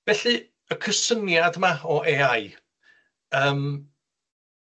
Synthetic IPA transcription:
vɛɬɨ | əkʰəsənjadmaɔʔeaj | əːm

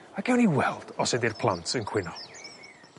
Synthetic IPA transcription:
akʰɛwniwɛlˠd̥ɔsɛdirpʰlˠantʰənkʰwɪnɔ

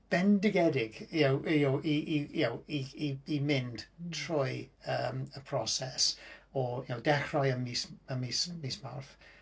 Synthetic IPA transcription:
b̥ɛndɪɡɛdɪɡjawjowʔiʔijawiiimɪnd̥tʰrʊjəməpʰr̥ɔsɛsɔjowdɛxrɔjəmisəmismiːsma̰rf

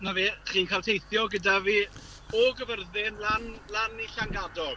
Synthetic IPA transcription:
naveːχiːnkʰalˠtʰejθjɔɡədaviː | ɔɡəvərðɪnlanlaniɬaŋɡadɔ

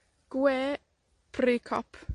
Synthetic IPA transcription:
ɡ̥weː | pʰɾyːkʰɔ̰p

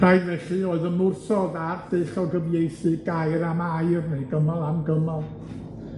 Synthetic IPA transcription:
rajdvɛɬɨoːɨðəmʊrsɔðard̥ɨɬɔwɡəviejsɨɡajɾamajrnejɡəmalˠamɡəmalˠ

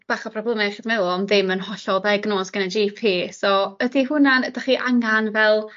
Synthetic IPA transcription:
b̥aːχapʰrɔblˠəmaχiːdmɛlˠɔɔmðɪmənhɔɬɔðajɡnoːsɡ̥ənad͡ʒiːpʰiːsɔədiɦʊnanəd̥aχiːʔaŋanvɛlˠ

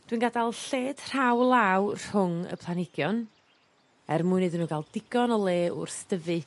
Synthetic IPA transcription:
d̥winɡadalˠɬeːd̥r̥awlˠawr̥hʊŋə̰pʰlˠanɪɡjɔn | ɛrmʊɨnɨdənuːɡalˠdɪɡɔnɔlˠeːʔʊ̰rsd̥əvɨ

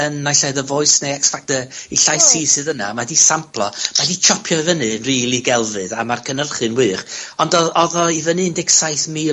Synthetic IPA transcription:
ənːajɬaɨðəvɔɨsnejɛksfak̚təiɬajsiːsɨðəna̰madisampʰlˠɔ̰madit͡ʃʰɔpʰjɔvənɨənriːlˠiɡɛlˠvɨðamarkʰənərχɨnwɨːχɔndɔɔðɔivənɨndɪɡsajθmiː

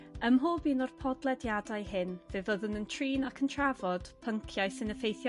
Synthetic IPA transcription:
əmɦoːbiːnɔrpʰɔdlˠɛdjadajɦɪnvɨvəðənəntʰriːnakʰəntʰravɔd̥pʰəŋkʰjajsɪnəfejθjɔ

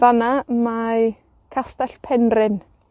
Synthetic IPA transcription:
vanama | kʰastaɬpʰɛnrɪn

